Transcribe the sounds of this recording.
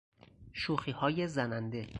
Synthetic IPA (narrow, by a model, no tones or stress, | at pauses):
ʃuːxiːhɒːjezænænd̪e̞